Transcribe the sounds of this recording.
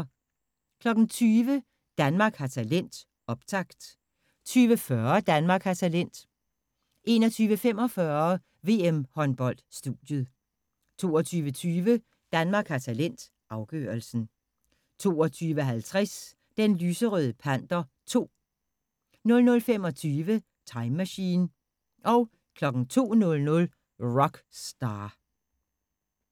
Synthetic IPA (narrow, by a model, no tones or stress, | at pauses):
kʰlɒ̽ɡ̥n̩t͡sʰyːʋə | d̥ænmɑ̈ːɡ̥hɑ̈t͡sʰælen̰d̥ | ɒ̽b̥̚t͡sʰɑ̈ɡ̥d̥ | t͡sʰyːʋəfɶɐd̥ænmɑ̈ːɡ̥hɑ̈t͡sʰælen̰d̥ | ʔe̝̰ːnɒ̽t͡sʰyːʋəfem̰ɒ̽fɶɐ | ʋe̝̰ːemhɒ̽nb̥ɒ̽l̰d̥sd̥uðjəð̩ˠ | t͡sʰo̝ːɒt͡sʰyːʋət͡sʰyːʋə | d̥ænmɑ̈ːɡ̥hɑ̈t͡sʰælen̰d̥ | ʔɑ̈ʊɡ̥ø̰ːɐl̩sn̩ | t͡sʰo̝̰ːɒ̽t͡sʰyːʋəɦælt͡sʰʁas | d̥enlyːsəʁœðˠəpʰæn̰d̥ɐ | t͡sʰo̝̰ː | nɔ̽lnɔ̽lfem̰ɒ̽t͡sʰyːʋə | t͡sʰɑ̈ɪmːæɕḭːn | ʔɒ̽ʊ | kʰlɒ̽ɡ̥ŋ̩t͡sʰo̝̰ːnɔ̽lnɔ̽l | ʁɒ̽ɡ̥sd̥ɑ̈ː